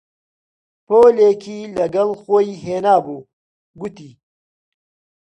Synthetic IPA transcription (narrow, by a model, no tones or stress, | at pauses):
poːleːkʰiːlɐɡɐlxoːiɦeːnaːbuː | ɡut̪iː